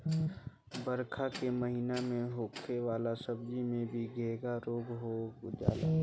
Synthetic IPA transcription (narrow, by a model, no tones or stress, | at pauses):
bəɾkʰakeməɦinamẽɦoːkʰeʋaːlasəb̚d͡ʒimẽbʱiɡʱeːɡaɾoːɡɦod͡ʒa̰ːla̰ː